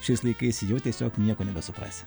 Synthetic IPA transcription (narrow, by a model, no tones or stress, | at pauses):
ʃʲɪslˠɐɪkɐɪsʲjɛʊt̪ʲiɛsʲo̰ːknʲiɛkoːnʲɛbʲɛsʊpɾɐ̰ːsʲ